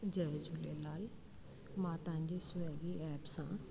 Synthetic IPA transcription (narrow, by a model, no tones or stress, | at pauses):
d͡ʒɛːzulelaːl | maːt̪ãːnd͡ʒesʊɛɡiɛːpsãː